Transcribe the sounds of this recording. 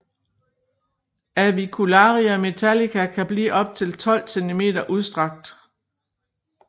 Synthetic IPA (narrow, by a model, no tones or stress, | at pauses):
æʋikʰulɑ̈ːʁiɐme̝t͡sʰælikʰækʰæb̥lḭːʔɒ̽b̥̚t͡sʰe̝lt͡sʰɒ̽l̰sent͡sʰime̝̰ːd̥ɐʔuð̞ˠsd̥ʁɑ̈ɡ̥̚d̥